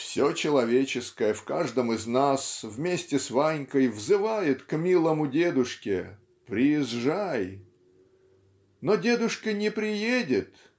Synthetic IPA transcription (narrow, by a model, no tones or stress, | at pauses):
fsʲot͡ɕɪlˠɐvʲet͡ɕɪskəjəfkaʐd̪əmɪznasvmʲesʲtʲɪsvajnʲkəjvzɨvajɪt̪kmʲilˠəmʊdʲe̞d̪ʊʂkʲɪ | pɾʲɪjɪzʐaj | nodʲe̞d̪ʊʂkənʲɪpɾʲɪjedʲɪt̪